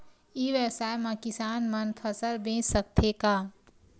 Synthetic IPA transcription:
iʋjəwsaːjmãkɪsaːnmənpʰəsəlbẽt͡ʃsək̚t̪ʰeka

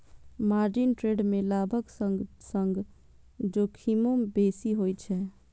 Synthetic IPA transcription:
maɾd͡ʒinʈɾeɖmelabʱəksəŋsəŋɡ | d͡ʒokʰimobesiɦojt͡ʃʰɛ

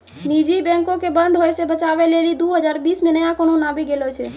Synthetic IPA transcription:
nid͡ʒibɛ̃ŋkõkebənd̪ɦojsebət͡ʃaʋelelid̪uɦəd͡ʒaɾʋisminəjãkoɳ̃õnabiɡelot͡ʃʰe

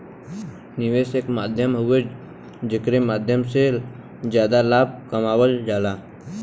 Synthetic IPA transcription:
nɪʋeːsekmaːd̪ʱjəmɦʊe | d͡ʒɪkɾemaːd̪ʱjəmse | d͡ʒjaːd̪alaːb̚kəmaːwəld͡ʒaːlaː

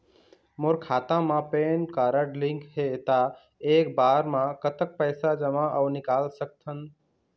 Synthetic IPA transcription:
moɾkʰaːt̪ãmãpenkaɾəʈlĩŋkɦet̪a | ek̚baːɾmãkət̪ək̚pəɪsad͡ʒəmãʔəwnɪkaːlsək̚t̪ʰən

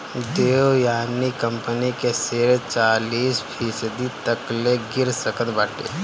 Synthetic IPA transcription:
d̪eːojaːnikə̃mpənikeseɾt͡ʃaːliːspʰisəd̪it̪əkleɡɪɾsəkət̪baːʈḛ

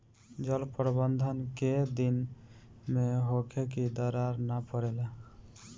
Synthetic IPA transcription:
d͡ʒəlpɾbənd̪ʱənked̪in | meɦokʰekid̪əɾaɾnapəɾele

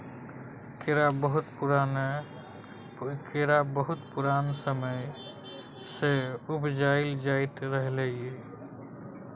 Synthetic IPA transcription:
keɾabəɦut̪puɾane | keɾabəɦut̪puɾaːnsəməj | seubd͡ʒaɪld͡ʒaɪt̪ɾəɦlee

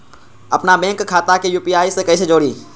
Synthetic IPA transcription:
ɐpnabɛ̃ːŋkkʰːaːt̪akejuːpiaːisekɐisʰed͡ʒoːɽiː

